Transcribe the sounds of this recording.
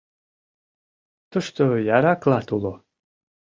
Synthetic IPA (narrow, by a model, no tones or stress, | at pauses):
t̪əʃt̪ojaɾaklˠat̪ulo